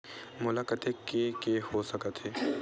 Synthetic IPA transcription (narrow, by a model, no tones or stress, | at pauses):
mʊlaːkət̪ekekehosəkət̪ɦeː